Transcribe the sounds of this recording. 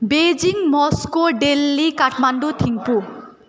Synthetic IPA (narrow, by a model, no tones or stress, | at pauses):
bed͡ʒiŋmɔskoɖelːikaʈmanɖot̪ʰiŋpu